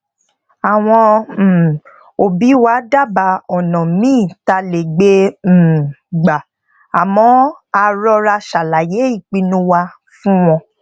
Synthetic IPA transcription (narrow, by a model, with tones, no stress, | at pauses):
a˨w̃ɔ̃˧˨ | o˨bi˨˦wa˦da˦˨ba˧ɔ˨nɔ̃˨mĩː˦˨ta˧le˨ɡ͡be˦˨ | ɡ͡ba˨ | a˨mɔ̃˧˦ | a˧ɾɔ˧ɾa˧ʃa˨la˨je˨˦i˦˨k͡pi˧nũ˦wa˧ | fũ˦w̃ɔ̃˧